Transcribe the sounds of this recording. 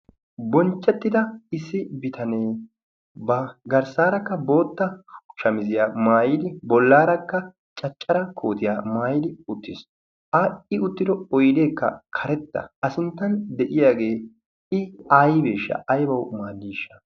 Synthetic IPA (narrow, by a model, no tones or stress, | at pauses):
bɔnt͡ʃʼːɛt̪ːɪd̪ɐɪsːɪbɪt̪ʰɐneː | bɐɡɐɾsaːɾɐkːɐbo̞ːt̪ːɐʃɐmɪzɪjaːmaːjɪd̪ɪbɔlːaːɾɐkːɐ | t͡ʃʼɐt͡ʃʼːɐɾɐkʰo̞ːt̪ɪjaːmaːjɪd̪ɪʊt̪ːɪs | ʔɐɪʊt̪ːɪd̪ɔɔjd̪e̞ːkːɐ̰kʰɐɾɛt̪ːɐ̰ɐsɪnt̪ːɐnd̪ɛʔɪjaːɡe̞ː | ɪajbeːʃːɐ̰ʔɐjbɐwmaːdːiːʃːɐ̥